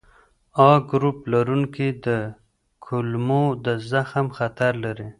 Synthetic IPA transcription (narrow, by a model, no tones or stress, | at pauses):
ɑɡɾuplaɾuŋkid̪ə | kʰʊlmod̪əzaxamxat̪aɾlaɾi